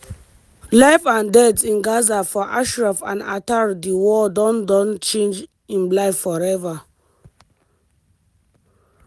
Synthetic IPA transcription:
laɪfãndɛtsĩnɡazafɔʔaʃɹafã̰na̰taɹdiwɔdɔ̃ndɔ̃nt͡ʃẽnd͡ʒ | ĩnblaɪffɔɹɛva

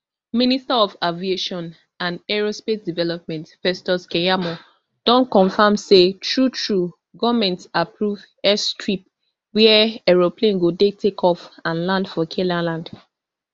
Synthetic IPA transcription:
ministaɔfavieʃɔ̃n | ãndɛɹospet̚divɛlɔp̚mɛ̃ntfɛstɔskɛjamɔ | d̥ɔ̃nkɔ̃ɱfamsetʰɹutʰɹu | ɡɔvmɛ̃ntapʰɹuv | ɛstɹip̚ | wɛɛɛɹoplẽnɡodetʰekʰɔfãnlãndfɔkʰelãlãnd̥

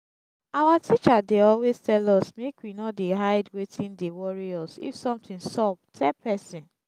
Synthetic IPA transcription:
awatʰit͡ʃadeɔlweztɛlɔsmekwinɔdeɦaɪdwetʰĩndewɔɹiɔsḭfsɔ̃mtĩnsɔb̚tʰɛpʰɛsĩn

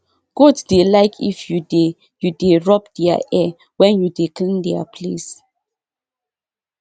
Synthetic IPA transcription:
ɡ̥ɔdsdelaɪkʰḭfjude | judeɹɔpdɛa̰ʔɛ | wɛ̃njudeklĩndɛa̰pʰles

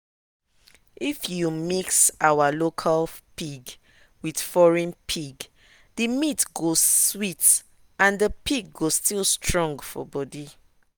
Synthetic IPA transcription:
ifjumiksawalokʰalpiɡ | wid̥fɔɹɛ̃npʰiɡ | dəmitɡoswit | ãndəpʰiɡɡostʰilstʰɹɔ̃ŋɡfɔ̰bɔdi

